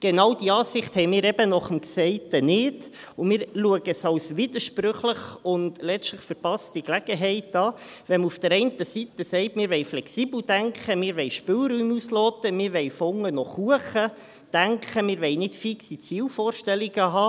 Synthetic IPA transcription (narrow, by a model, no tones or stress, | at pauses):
ɡ̥enɑwd̥iɑːsɪχthɛɪmɪːɾɛb̥ənɔχəmksɛɪtənɪd | ʊmɪːɾluəɡəsɑwsʋɪdəʃprʏχləχʊndlɛt͡stləχfəɾpɑstiklæɡ̥əɦɛɪtɑː | ʋɛmufd̥əɾɛɪntəsitəsɛɪtmɪːɾʋɛɪflɛksiːbl̩d̥æŋkχəmɪːɾʋɛɪʃpɪːlɾyːmuslɔːt̪əmɪːɾʋɛɪfʊŋːənɔχuəχə | d̥æŋkʰχəmɪːɾʋɛɪnɪtfiksit͡siːlfoːrʃtɛliɡ̥əɦɑː